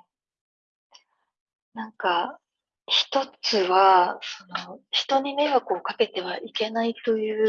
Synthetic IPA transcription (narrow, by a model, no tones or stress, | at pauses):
nãŋka | çi̥t̪o̞t͡sɨβaso̞no̞çi̥t̪o̞ɲ̟ime̞βakɯ̟okake̞t̪e̞βaʔike̞nait̪o̞jɯ̟ː